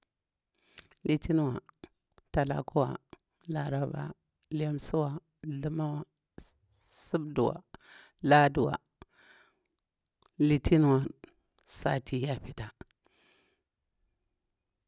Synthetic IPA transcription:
li˨ti˦n˦wa˨ | ta˨la̰˨ku˦wa̰˨ | la˨ɾa˨ba̰˨ | la˦msu˦wa˨ | ɮə˦ma˦wa˨ | su˦bdu˨wa̰˨ | la˦du˨wa̰˨ | li˨tʰi˦n˦wa˨ | sa˨tʰi˨ja˦pi˨ta˨

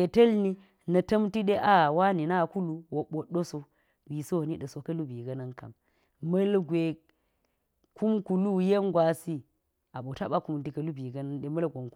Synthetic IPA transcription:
e˨tɐ˦lni˦ | nɐ˨tɐ˦mti˦ɗe˦ʔa˦˨wa˦ni˨na˦˨ku˦lu˦wo˨ɓo˨ɗo˦so˦ | wi˨so˦˨ni˦ɗɐ˨so˨kɐ˦lu˦bi˨ɡɐ˦nɐ˦nka̰˨m | mɐ˦lɡʷe˨ | ku˦mku˨lu˦je˦ŋɡwa˨si˦ | a˨ɓo˨ta˦ɓa˦ku˦m˨ti˨kɐ˨lu˦bi˨ɡɐ˦nɐ˦nɗe˦mɐ˦lɡʷo˨ŋk

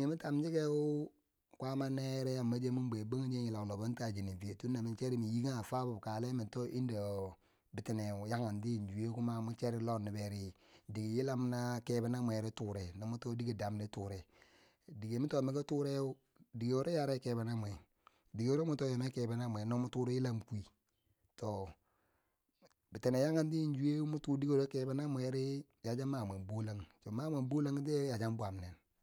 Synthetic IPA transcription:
e˨mi˦ta˨md͡ʒi˦ke˦u˦ | kʷa˦ma˦ne˦ɾe˦ja˨mma˦d͡ʒe˦mu˦m˦be˨ba˦ŋ˦d͡ʒe˦i˨la˨wlo˨bo˦nta˨d͡ʒi˨ni˨vi˨e˨tu˦nːa˨mi˨nt͡ʃe˦ɾi˦mi˨ji˦ɡa˦˨fa˦bu˨bka˨le˦mi˨nto˦ʔi˦nda˨ | bi˨ti˨ne˨u˨ja˦ŋa˨ndi˦˨d͡ʒu˨e˦ku˦ma˦mu˦t͡ʃe˦ɾi˦lo˦˨ni˨be˨ɾi˦ | di˨ɡi˨ji˦la˦m˦na˦ke˦ba˦na˦mʷ˨e˨ɾe˦tuː˦˨ɾe˨ni˨mu˦to˦di˦ɡi˨da˨m˦di˦tu˨ɾɛ˨ | di˨ɡe˨mi˦to˦˨me˨˦ka˦tu˦ɾe˦o˦ | di˨ɡe˨o˨ɾe˦ja˦ɾe˦ke˨be˨na˦mʷ˨e˨ | di˨ɡo˨ɾe˦mu˦to˦jo˨me˦ke˨be˨na˦mʷ˨e˨no˦mu˦tu˦ɾi˦ji˦la˦mki˨ | to˨ | bi˨te˨ne˨ja˦ŋa˦n˦ti˦n˦d͡ʒu˨˦e˦mu˦tu˦di˦ɡe˦˨ɾe˦ke˦be˦na˦me˨˦ɾi˦ | ja˨d͡ʒa˦ma˨m˨e˨bo˦la˦ŋto˨ma˦me˨mbo˦la˦ŋ˦te˦ja˨d͡ʒa˦m˦bwa˨m˨ne˨n

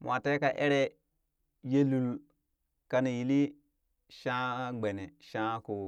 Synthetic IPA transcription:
ma˨te˦ka˨ʔe˦ɾe˦ | je˦lu˨l | ka˦ne˨ji˨li˦ | ʃã˦ɡ͡be˨ne˨ʃã˦ku˨

